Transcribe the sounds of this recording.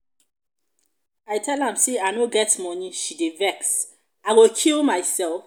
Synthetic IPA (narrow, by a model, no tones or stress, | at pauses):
ajtʰɛlãmseanoɡɛtmɔniʃidevɛks | aɪwokʰilmajsɛlf